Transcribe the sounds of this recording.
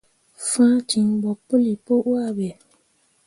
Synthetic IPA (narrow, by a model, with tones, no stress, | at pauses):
fãː˦t͡ʃi˨ŋbɔ˨pu˦li˨po˦ʔa˦bɛ˨